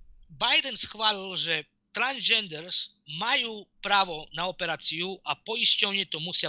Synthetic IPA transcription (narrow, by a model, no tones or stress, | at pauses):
bajd̪ɛnsxʋaːlilʒɛ | t̪ɾanzd͡ʒɛnd̪ɛɾs | majuːpɾaːʋɔnaɔpɛɾaːt͡sijuʔapɔiscɔʊɲɛt̪ɔmusɪa